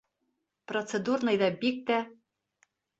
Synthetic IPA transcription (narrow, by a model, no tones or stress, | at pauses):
prot̪t͡sed̪urnɤ̆jd̪ɑbik̚t̪æ